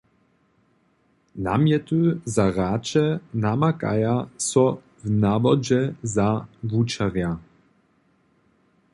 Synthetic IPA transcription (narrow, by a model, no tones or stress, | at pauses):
na̰mjɛt̪uzaɾaːt͡ʃɛnamaka̰jasɔ | vnavɔd͡ʑɛzavut͡ʃaɾja